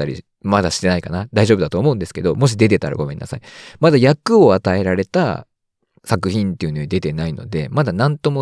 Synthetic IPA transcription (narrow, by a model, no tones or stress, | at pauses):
aɾʲḭ | mad̪aɕi̥t̪e̞naikanad̪aiʑo̞bɯ̟d̪at̪oːmo̞ɯ̟̃nd̪e̞sɨ̥ke̞d̪o̞mo̞ɕ̬id̪e̞t̪e̞t̪aɾa̰ɡo̞mẽ̞nːʔa̰saimad̪ajakɯ̟o̞at̪ae̞ɾaɾe̞t̪a̰ | sakɯ̟çĩnt̪ːe̞iɯ̟no̞ɲid̪e̞t̪e̞naino̞̰d̪e̞mad̪anãnt̪o̞mo̞